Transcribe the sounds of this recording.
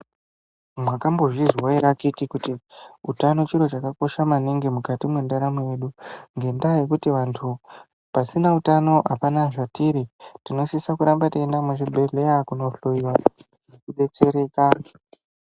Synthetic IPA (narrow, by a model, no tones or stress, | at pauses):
mwakambo̞ʐizwaeɾakikikutiutano̞t͡ʃiɾo̞t͡ʃakako̞ʃamaneŋɡe̞mukatimwendaɾamweje̞ɗuŋɡe̞ndaje̞kutiʋantʰu | pasinautano̞ʔapanaʐatiɾitino̞sisakuɾambataendameʐibʱeɮejakuno̞ɬoiwa | ʐekuɗe̞t͡se̞ɾe̞ːka